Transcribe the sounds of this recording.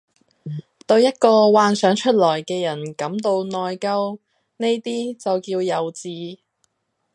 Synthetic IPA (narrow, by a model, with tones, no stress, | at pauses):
t̪ɵ˧wjɐ˥t̚kɔː˧waː˧nsœː˨˥ŋt͡ʃʰɵ˥t̚lɔː˨˩jkɛː˧jɐ˨˩nkɐ˨˥mt̪o˧wnɔː˨jkɐ˥w | ne˥jt̪iː˥t͡sɐ˨wkiː˧wjɐ˨wt͡siː˨˧